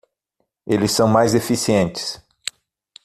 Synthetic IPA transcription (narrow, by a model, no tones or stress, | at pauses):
elɪsːɐ̃w̃majzefisiẽnt͡ʃɪ̥s